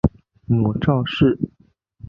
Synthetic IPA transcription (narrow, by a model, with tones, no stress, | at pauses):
mu˨˩ʈ͡ʂɑ˥˧ʊʂɻ̩˥˩